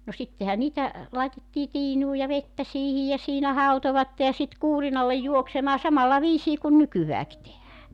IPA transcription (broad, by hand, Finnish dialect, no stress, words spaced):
no sitːehæ niːtæ lɑˑetetːiː tiːnuː jɑ ʋetːæ siːhij jɑ siːnæ hɑutoʋɑtːe jɑ sit kuːrinɑlːej juoksemɑː sɑmɑlːɑ ʋiːsiː kun nykyʋæːki tehæː